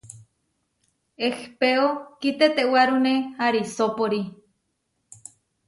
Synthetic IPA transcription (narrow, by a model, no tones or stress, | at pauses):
expeokit̪et̪ewaɾunehaɾisopoɾi